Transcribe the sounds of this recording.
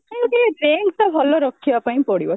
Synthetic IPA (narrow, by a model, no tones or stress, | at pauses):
kãkeɾeŋɡt̪ɔbʱɔlɔɾɔkʰːibapaĩpɔɽibɔ